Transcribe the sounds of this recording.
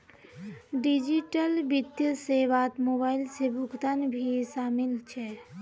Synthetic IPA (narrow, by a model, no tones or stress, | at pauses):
ɖid͡ʒiʈəlbid̪jəseʋat̪moːbaːɪlsebʱʊɡt̪anbʱisaːmilt͡ʃʰɛ